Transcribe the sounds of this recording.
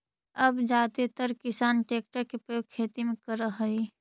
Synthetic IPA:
ɐbd͡ʒaːt̪et̪əɾkɪsaːnʈeːk̚ʈəkepɾɐjoːɡ̚kʰːeːt̪imẽkəɾəɦəi

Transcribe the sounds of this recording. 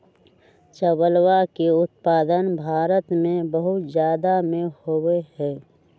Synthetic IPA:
t͡ʃəbəlwakeʊt̪̚paːd̪ənbʱaːɾət̪mẽbəɦʊt̪zjaːd̪amẽhoweɦɛː

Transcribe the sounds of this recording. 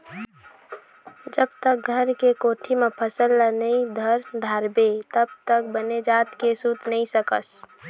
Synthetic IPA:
d͡ʒəbt̪ək̚ɡʱəɾkekoʈʰimepʰəsəlːənəid̪ʱəɾd̪ʱaɾbet̪əbt̪ək̚bəned͡ʒat̪kesut̪nəisəkəs

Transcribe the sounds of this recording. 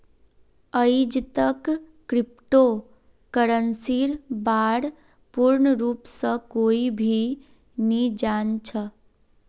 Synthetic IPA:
əid͡ʒt̪əkː | ɾɪp̚ʈo | kəɾənsiɾbaːɽ | puɾɳəɾuːpsə̃koːibʱi | nid͡ʒant͡ʃʰə

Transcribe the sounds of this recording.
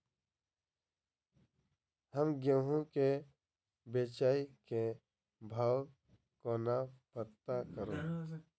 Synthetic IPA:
həmɡjə̃ːɦõke | beːt͡ʃaːike | bʱaːw | koːnapət̪akəɾoː

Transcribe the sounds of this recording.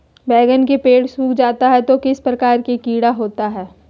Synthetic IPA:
bɛːɡənkepeːɽsuːkd͡ʒaːt̪aɦɛt̪okɪspɾɐkaːɾkekiːɽaɦoːt̪aɦɛː

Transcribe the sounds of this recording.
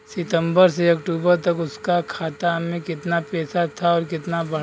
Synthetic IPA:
sɪt̪ə̃mbəɾseɐkʈuːbəɾt̪ɐkʊskakʰaːt̪amẽkɪt̪napɛːsat̪ʰaɔːɾkɪt̪nabɐɽ

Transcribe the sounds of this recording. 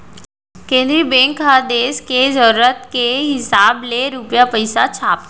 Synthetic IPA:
kẽːnd̪ɾibɛ̃ŋkad̪eːskezəɾuɾət̪keɦɪsaːbleɾupjapəɪsat͡ʃʰaːp̪̚

